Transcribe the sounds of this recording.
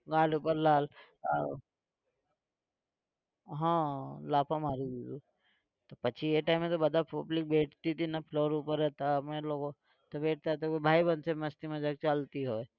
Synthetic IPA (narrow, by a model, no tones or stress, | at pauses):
ɡaːluːpəɾlaːl | ɦãːlaːpʰãmaːɾud̪id̪u | t̪opɐt͡ʃʰieʈaːɪmẽt̪obɐd̪ʱapɐblɪk̚beːʈʰt̪it̪inɐpʰloːɾuːpəɾːɛt̪amẽloːɡõ | t̪obeːʈ̚t̪aɛt̪̬okobʱaːibɐnsemɐst̪imɐ̃d͡ʒaːk̚t͡ʃalt̪iɦoːe